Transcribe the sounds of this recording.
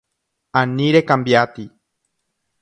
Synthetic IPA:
aniɾekambiat̪i

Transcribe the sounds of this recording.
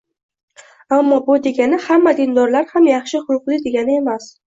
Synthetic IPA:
amːɒbʊd̪e̞ɡʲanɪhamːad̪ɪnd̪ɒɾlaɾhamjɑχʃɪhʊlʊqlˠɪd̪e̞ɡʲanɪe̞mas

